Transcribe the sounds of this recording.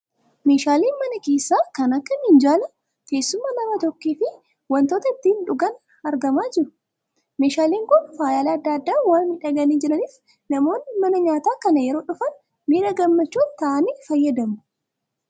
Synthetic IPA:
me̞ːʃaːliːnmɐnɐke̞ːsːaːkɐnɐkːɐmɪnd͡ʒaːlɐ | t̪e̞ːsːʊmːɐnɐmɐt̪ɔkːiːfɪ | wɐnt̪oːt̪ɐɪt̪ːiːnᶑʊɡɐn | ɐɾɡɐmaːd͡ʒɪɾʊ | me̞ːʃaːliːŋkʊnfaːjaːleɐd̪ːɐɐd̪ːaːwaːnhɪᶑɐɡɐniːd͡ʒɪɾɐniːf | nɐmo̞ːnːɪmɐnɐɲaːt̪aːkɐnɐjɛɾo̞ːᶑʊfɐn | miːɾɐɡɐmːɐt͡ʃːuːnt̪ɐʔɐniːfɐjːɐd̪ɐmʊ̥

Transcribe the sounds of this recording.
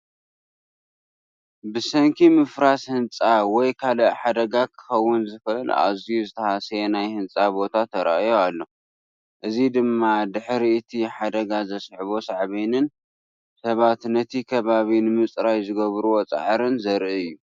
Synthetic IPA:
bɨsɐŋkʰimɨfɾashɨnt͡sʼawɔjkʰalɐħad̪ɐɡakʰɨ̥xɐwːʊnzɨxɐɨla̰zijuzɨt̪ʰɐhasenajhɨnt͡sʼabo̞t̪ʰat̪ʰɐɾa̰ʔjoalːo̞ | ʔɨzid̪ɨmːad̪ɨħɾiɨt̪ʰiħad̪ɐɡazɐsħβo̞saʕβinɨn | sɐβat̪nɐt̪ʰikʰɐβaβinɨmɨt͡sʼɾajzɨɡɐβɾuwo̞t͡sʼa̰ʕɾɨnzɐɾʔiɨjːu

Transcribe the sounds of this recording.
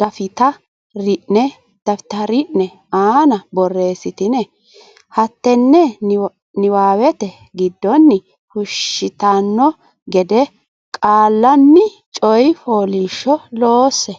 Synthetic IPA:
d̪̥ɐfɪt̪ɐ | ɾɪʔnɛ | d̪̥ɐfɪ̥t̪ɐɾɪʔnɛ | aːnɐbɔrːe̞ːsɪt̪ɪnɛ | hɐt̪ːɛnːɛ | nɪwaːwɛt̪ɛ | ɡɪd̪ːɔnːɪ | hʊʃːɪt̪anːɔ | ɡɛd̪ɛ | kʼaːlːɐnːɪ | t͡ʃʼɔjfoːliʃːɔloːsːɛ

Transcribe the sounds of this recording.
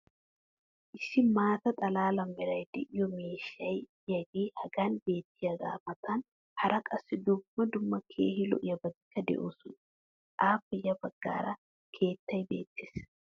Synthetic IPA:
ʔɪsːɪmaːt̪ɐt̪ʼɐlaːlɐmːɛɾɐjd̪ɛʔɪjɔmeːʃːɐjjɐɡiːhɐɡaːnbe̞ːt̪ːɪjɐɡa̰ːmɐt̪ʰɐn | hɐɾɐkʼɐsːɪd̪ubmɐd̪ʊmːɐkʰḛːhɪlɔ̰ʔɪjɐbɐt̪ɪ̥kːɐd̪ɛ̰ʔoːsʊn | ʔaːfːɛjɐbɐɡ̥ːa̰ːɾɐ | kʰe̞ːt̪ːɐjbe̞̰ːt̪ːe̥ːs

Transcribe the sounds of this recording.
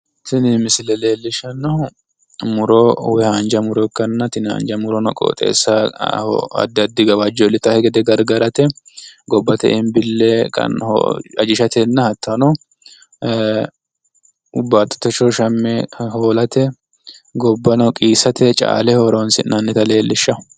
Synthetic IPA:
t̪ɪnɪmɪsɪlɛle̞ːlːɪʃɐnɔ | mʊɾɔwɛhand͡ʒɐmʊɾɔkːɐnːɐt̪ɪnha̰ːnd͡ʒɐmʊɾɔnɔkʼo̰ːt̪ʼḛːsːɐhɐ̰d̪ɐd̪ːɪɡɐwad͡ʒɔlɪt̪ːɐhɛɡɛd̪ɛɡɐɾɡɐɾɐt̪ɛɡɔbːɐt̪ɛ̰ʔɪmbɪlːɛkɐ̰n̰ɐd͡ʒɪʃɐt̪ɛnːɐhɐt̪ːɐnɔ | ʊbːaːt̪ːɔ̥t̪ːɛt͡ʃɔʃɐmːɛɦoːlɐt̪ɛ | ɡɔbːɐnɔkʼiːsɐt̪ɛt͡ʃʼa̰ːlɛhoːɾonsɪ̰nnɐnːɛt̪ɐle̞ːlːɪʃːɐ

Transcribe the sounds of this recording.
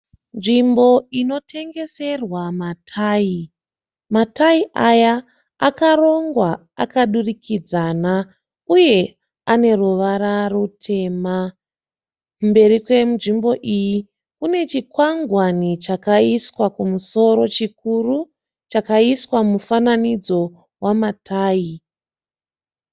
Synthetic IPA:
nʐimbo̞ino̞tʰe̞ŋɡe̞se̞rwamatʰai | mataiʔaja | a̰karo̞ŋɡwa | a̰kaɗurikid͡zana | uje̞ | ane̞ruʋaɾarutʰe̞ːma | kumbe̞rikwe̞muʐimbo̞ʔiji | une̞t͡ʃikwaŋɡwanit͡ʃakaiswakumuso̞ɾo̞t͡ʃikuru | t͡ʃakaiswamufananid͡zo̞ | wamatʰaːi

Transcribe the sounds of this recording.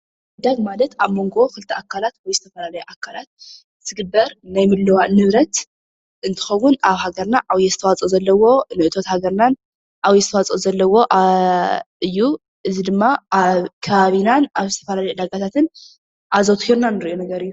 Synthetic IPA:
ɨd̪aɡmalɐt̪aβmo̞ŋɡo̞kɨlɨt̪ʰɐʔakʰːalat̪wɔjzɨt̪ʰɐfɐlalɐjuʔakʰːalat̪̚ | zɨɡɨbːɐɾnajmɨlːɨwanɨβɾɐt̪ | ʔɨnt̪ʰɨ̥xɐwːunaβhaɡɐɾnaʔaβjɛzɨt̪ʰɐwat͡sʼozɐlːɐwo̞nɨʔɨt̪ʰo̞t̪haɡɐɾnan | ʔaβjɛzɨt̪ʰɐwat͡sʼozɐlːɐwo̞ʔa | ɨjːu | ʔɨzid̪ɨmːaaβkʰɐβaβinanaβzɨt̪ʰɐfɐlalɐjud̪aɡat̪ʰat̪ʰɨn | ʔazot̪ʰɨhiɾnanːɨɾiʔonɐɡɐɾɨjːu

